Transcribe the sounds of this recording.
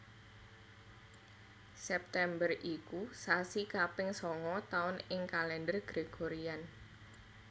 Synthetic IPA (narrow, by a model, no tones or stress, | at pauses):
sɛp̚t̪ɛmbərʔikusasikapɪŋsɔŋɔt̪aʊnɪŋkalɛndərɡ̥ɾeɡ̥oɾian